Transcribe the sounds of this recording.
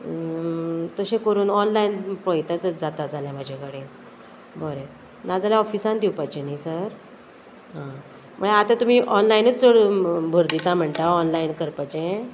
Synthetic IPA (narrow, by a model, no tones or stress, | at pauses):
t̪əɕẽkəɾuːnɔnlainpəjt̪at̪əd͡zat̪ad͡zaljamad͡ʑʱakəɽeː | bɔɾe | nad͡zaljaɔfisãnd̪iwpajt͡ɕẽnaisəɾ | ɦã | məɭeat̪ãt̪um̤iːʔɔnlainət͡sd͡zoɽbʱəɾd̪it̪ãm̤əɳt̪aɔnlainkəɾpajt͡ɕẽ